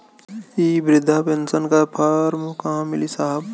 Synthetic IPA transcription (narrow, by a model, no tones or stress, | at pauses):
ibɾɪd̪ʱːapensənkapʰaːɾmukãːmɪlisaɦəb